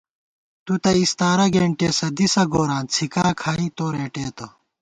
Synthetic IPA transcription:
t̪ut̪ɐist̪aːɾɐɡeːɳʈeːsɐd̪isɐɡoːɾaːnt͡sʰikaːkʰaːĩːt̪oːɾeːʈeːt̪o

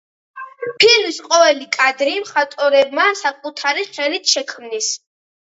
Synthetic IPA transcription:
bʰilisqʼɔvɛlikʼad̪ɾimχat̪ʼɔɾɛb̚masakʼut̪ʰaɾiχɛlit̪ʰʃɛkʰmnis

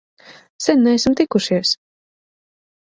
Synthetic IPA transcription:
sɛnːɛɛsmt̪ikuʃiɛs

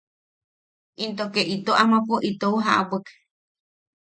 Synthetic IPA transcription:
ʔint̪okeʔit̪oʔamapuʔit̪ouɦaʔa̰bəke̥

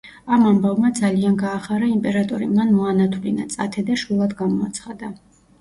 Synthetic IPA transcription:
amambavmad̪zalianɡaːχaɾaimpʼɛɾat̪ʼɔɾimanmɔanat̪ʰvlina̰t̪sʼat̪ʰɛd̪aʃulˠad̪ɡamɔat̪sʰχad̪a

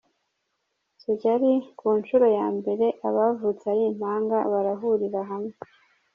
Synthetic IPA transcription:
siɟaɾikuːnʃuɾo̞jaːmbe̞ɾe̞ʔaβavut͡sajiːm̥haːŋɡaβaɾaɦuɾiɾaɦamŋe

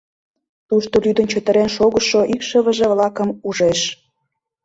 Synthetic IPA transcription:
t̪uʃt̪olyd̪ə̆nt͡ɕə̆t̪ə̆ɾenʃoɣəʃoʔikʃəβə̆ʒevlɑkəmuʒeʃ

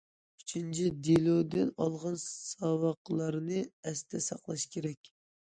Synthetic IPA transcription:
yt͡ʃʰint͡ʃʰid̪elud̪ɨnɑlˠʁɑnsɑwɑqlˠɑɾnɨɛst̪ʰɛsɑqlˠɑʃkʲʰeɾɛkʲ

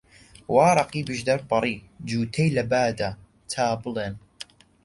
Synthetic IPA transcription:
wɑːɾˤɑqiːbɨʒd̪ɐɾbɑɾˤiːd͡ʒuːt̪ʰejlɐbaːd̪a | t̪ʰaːbɨlˠeːn

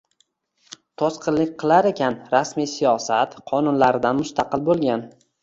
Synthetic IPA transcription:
t̪ʰosqɨlɪkʲqʰɨlˠaɾe̞kʲʰanɾasmijsijɒsat̪qʰɒnʊnlaɾɪd̪anmʊst̪ʰɑqɨlˠbolˠɡʲan

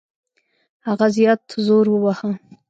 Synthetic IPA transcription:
haɣazjɑt̪zoɾwəwaha

